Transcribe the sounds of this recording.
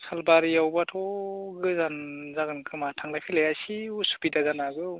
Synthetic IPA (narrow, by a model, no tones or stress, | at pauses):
salbaɾijawbatʰɔɡɯzanzaɡɯnkʰɯmatʰaŋdapʰilajasiusu̥pidazanazɯ